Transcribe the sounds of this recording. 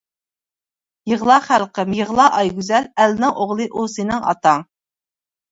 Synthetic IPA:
jəʁlˠɑːχælqəmjəʁlˠɑːʔɑjɡʲyzɛlælnɪŋoʁlˠɨʔusenɪŋɑ̰t̪ɑŋ

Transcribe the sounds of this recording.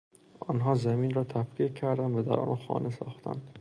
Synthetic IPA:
ʔɒːnɦɒːzæminɾɒːt̪ʰæbqiːcʰːæɾd̪ænd̪væd̪æ̰ɾʔɒ̰ːnnxɒ̰ːnʔesɒ̰ːxt̪ʰæ̰nd̪

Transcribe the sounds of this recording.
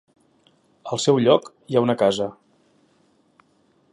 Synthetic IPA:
əlˠsɛwʎɔk | iaunəkazə

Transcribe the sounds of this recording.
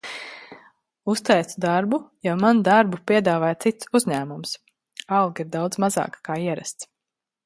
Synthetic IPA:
ust̪ɛj̪ud̪aɾbujawmanud̪aɾbupʲiɛd̪aːvaːjt̪sit̪suzɲæːmums | ɑlˠɡiɾd̪awd̪zmazɑ̰ːkkaːiɛɾa̰st̪s

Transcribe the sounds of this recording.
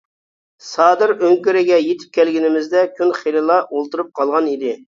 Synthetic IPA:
sɑːd̪ɨɾøŋkʲyɾɪɡʲɛjet̪ʰɪ̥p̚kʲɛlɡʲinɪmɪzd̪ɛkʲʰynχelɨlˠɑʔolˠt̪uɾup̚qʰɑlˠʁɑnid̪ɪ

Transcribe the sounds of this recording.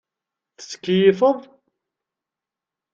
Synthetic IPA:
θə̥t͡sːkːjifəðˤ

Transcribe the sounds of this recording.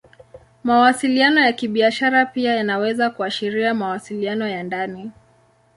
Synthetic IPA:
mawasilianɔjakiɓiaʃaɾapiajanawɛzakuaʃiɾiamawasilianɔjandani

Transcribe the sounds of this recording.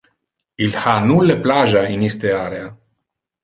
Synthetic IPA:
ilhanuleplaʒainist̪eaɾea

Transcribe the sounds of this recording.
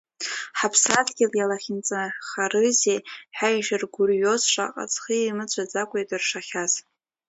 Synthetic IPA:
ħapʰsatɡʲɪljalaχʲɪnt͡sʼanχarɨzeħajaʃɪrɡʷurjo̞zʂʷa̰qʼa̰t͡sʼχiimɨt͡ɕʷʼʰad͡zakʷʼejtʼɨrʂaχʲaz̥

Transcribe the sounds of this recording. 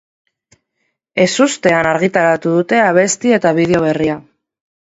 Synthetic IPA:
e̞sust̪e̞anaɾɣit̪aɾat̪uðut̪e̞aβ̞e̞st̪ie̞t̪aβ̞iðeo̞β̞e̞ria

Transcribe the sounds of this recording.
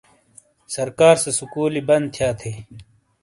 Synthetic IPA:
sɐɾkaːɾsesukuːlibɐnd̪̚t̪ʰjaːt̪ʰeː

